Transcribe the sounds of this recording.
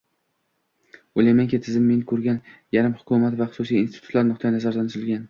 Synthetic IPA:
ojlajmaŋkʲet̪ʰɪzɪmːenɪkʰɵɾɡʲanjaɾɪmhʊ̥kʰʊmat̪vaχʊ̥susijːnst̪ɪ̥t̪ʰʊt̪laɾnʊq̚t̪ʰajinazaɾlanɾɪlɡʲan

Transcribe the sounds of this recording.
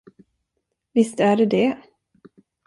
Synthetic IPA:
vɪst̪æɖɛd̪ɛ

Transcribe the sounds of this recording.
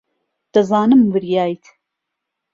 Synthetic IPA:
d̪̥ɐzaːnɨmvɨɾjaːjt̪ʰ

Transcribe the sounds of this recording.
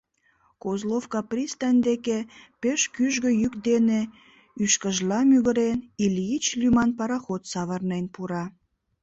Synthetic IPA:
kozlofkɑprʲist̪ɑnʲd̪ekepeʃkyʒɣə̆jykd̪ene | yʃkəʒlɑmyɣə̆ɾenilʲiit͡ɕlymɑnpɑɾɑxot̪sɑβərnenpuɾɑ

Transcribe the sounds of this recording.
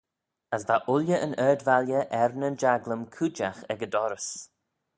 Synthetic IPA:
əsvaʔʊljəʔənɜːdvaljəʔɛɾnənd͡ʒaɡləmkʰud͡ʒaxɛɡədɔɾəs

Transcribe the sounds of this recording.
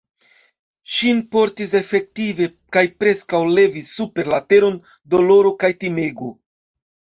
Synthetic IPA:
ʃinpo̞ɾtis̬e̞fe̞k̚tive̞ | kajpɾe̞skawle̞visːupe̞ɾlate̞ɾo̞n | do̞lo̞ɾo̞kajtime̞ɡo

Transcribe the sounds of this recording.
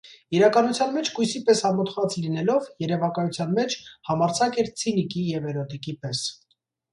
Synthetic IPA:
iɾɑkɑnut͡sʰjɑnmɛt͡ʃʰkujsipɛshɑmɔt̪χɑt͡slinɛlɔvjɛɾɛvɑkɑjut͡sʰjɑnmɛt͡ʃʰhɑmɑɾt͡sʰɑkɛɾt͡sʰinikijɛvɛɾɔt̪ikipɛs

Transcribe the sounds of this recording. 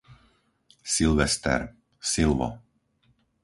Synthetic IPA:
silʋɛst̪ɛ̰ɾ | silʋɔ̰

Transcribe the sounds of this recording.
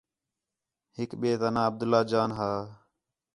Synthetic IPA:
hɪkɓeːt̪ənãːəb̚d̪ʊlːaːd͡ʒaːnɦaː

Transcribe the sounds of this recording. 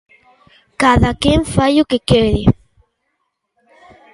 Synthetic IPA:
kaðakeɱfajʊkekeɾɪ

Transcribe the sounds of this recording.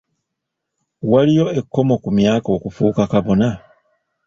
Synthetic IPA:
walijo̞e̞kːo̞mo̞kumjaːko̞kufuːkakaβo̞na

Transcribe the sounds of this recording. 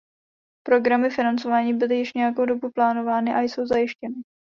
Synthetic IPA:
pɾo̞ɡɾamɪfɪnant͡so̞vaːɲiːbɪlɪjɪʃɲɛjako̞wdo̞buplaːno̞vaːnɪʔajso̞wzajɪʃcɛnɪ

